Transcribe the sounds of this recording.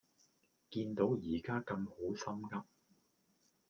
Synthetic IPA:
kiː˧nt̪o˨˥wjiː˨˩kaː˥kɐ˧mho˨˥wsɐ˥mkɐ˥p̚

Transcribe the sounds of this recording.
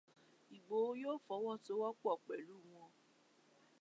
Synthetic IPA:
i˨ɡ͡bo˨˦joː˦fɔ˨˦wɔ˦to˨˦wɔ˦k͡pɔ˨k͡pɛ˨lu˨˦˨w̃ɔ̃˧

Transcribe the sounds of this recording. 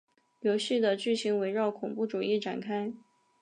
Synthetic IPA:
jo˧˥ʊɕy˥˩d̪ə˨t͡ɕy˥˩ɕi˧˥ŋwe˧˥ɪɻɑ˥˩ʊkʰʊ˨˩ŋpu˥˩ʈ͡ʂu˨˩i˥˩ʈ͡ʂa̰˨˩nkʰa˥ɪ

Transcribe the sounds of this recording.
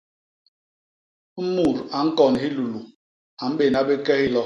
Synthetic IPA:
m̩˦mu˦˨ɾa˨ŋ̩˦kɔ˨n˨ɦi˦lu˨lu˨ | a˨m̩˦ɓe˨na˦be˦kɛ˦hi˦lɔ˦

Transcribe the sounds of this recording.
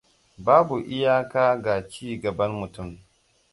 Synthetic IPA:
baː˦bu˨ʔɪ˦jaː˦kaː˦ɡaː˨t͡ʃiː˦˨ɡɐ˨bɐ˦nmʊ˨tʊ˦˨m

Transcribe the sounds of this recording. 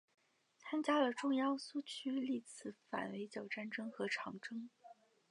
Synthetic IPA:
t͡sʰa˥nt͡ɕja˥lə˨ʈ͡ʂʊ˥˧ŋjɑ˥˧ʊsu˥˩t͡ɕʰy˥li˥˩t͡sʰɹ̩˧˥fa̰˨˩nwe˧˥ɪt͡ɕjɑ˨˩ʊʈ͡ʂa˥˩nʈ͡ʂɤ˥ŋxɤ˧˥ʈ͡ʂʰɑ˧˥ŋʈ͡ʂɤ˥ŋ

